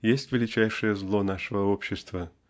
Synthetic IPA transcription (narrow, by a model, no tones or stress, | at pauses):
jesʲtʲvʲɪlʲɪt͡ɕæjʂəjəzlˠonaʂəvəopɕːɪst̪və